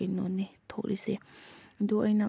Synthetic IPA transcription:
enonit̪ʰok̚ɾʔised̪uajna

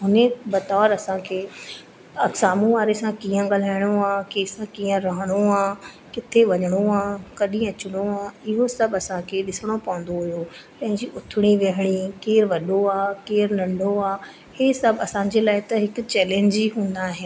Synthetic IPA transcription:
ɦʊnẽbɐt̪aːɾɐsãkʰeː | ɐsaːmũʋaːɾesãkĩːə̃ɠaːl̤aːɪɽ̃oaːkeːsãkĩːə̃ɾɐɦəɽ̃oaː | kɪt̪ʰeʋɐɲəɽ̃oaːkɐɗĩɐt͡ɕʊɽ̃oaːɪɦosɐbɐsãkʰeɗɪsəɽ̃opɐʋə̃n̆d̪oɦʊjopɐ̃ɦɪ̃ɲd͡ʑiʔʊt̪ʰɪɽ̃iʋeɦəɽ̃ikeːɾʋɐɗoaːkeːɾnɐ̃ɳɖʱoaː | heːsɐbɐsãːɲ̆d͡ʑeːlaːɪt̪ɐɦɪkʊ̆t͡ɕɛːlẽːɲd͡ʑiɦũːnd̪aːɦɪn

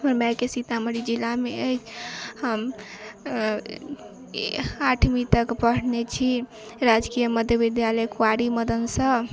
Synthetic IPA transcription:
əɾmakesit̪aməɾid͡ʒilːameəjt͡ʃʰhəm | aʈʰmit̪əkpəɽ̤net͡ʃʰi | ɾad͡ʒkijəməd̪ʱjəbid̪jaləjkuaɾiməd̪ənsə

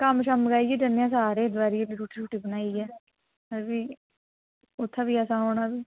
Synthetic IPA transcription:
kəmʃəməɡaːiːɡiːd͡ʒənːejãːs̬aːɾeːd̪ʋaːɾieliːɾuːʈʰiːɾuːʈiːbənaːiːɡɛː | əɾbiː | ʊt̪ʰːãːbiːəsãːɦoːɳaːbiː

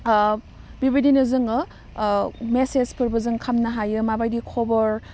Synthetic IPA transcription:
bibʱidinɯzɯŋɯ | mesezpʰɯɾbɯzɯŋkʰamnɐɦajɯmabajdikʰobɐɾ

